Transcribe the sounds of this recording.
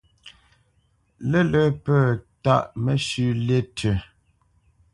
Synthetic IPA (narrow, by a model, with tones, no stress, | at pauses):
lɛ˦lə˨˦pəː˦˨ta˦˨ʔmɛ˦ʃʉ˦˨le˦tʰə˨